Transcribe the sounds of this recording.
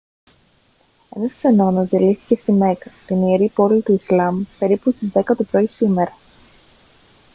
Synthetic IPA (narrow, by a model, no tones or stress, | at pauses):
e̞nɐskse̞no̞nɐzðiliθi̥ce̞st̪ime̞kɐt̪inieɾipo̞lit̪uislɐmpe̞ɾipust̪izðe̞kɐt̪opɾo̞isime̞ɾɐ